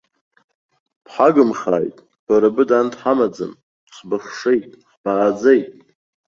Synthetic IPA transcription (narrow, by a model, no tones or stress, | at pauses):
pħaɡɨmχa̰ːjtʼ | b̥aɾabɨdantʰħamad͡zɨ̰n | χbɨχʂe̞jtʼħb̥aːd͡zejtʼ